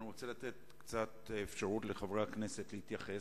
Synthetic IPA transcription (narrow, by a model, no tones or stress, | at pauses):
nuʁot͡selat̪e̞t̚ | kt͡satefʃaʁutleχavʁakne̞setleitjaχe̞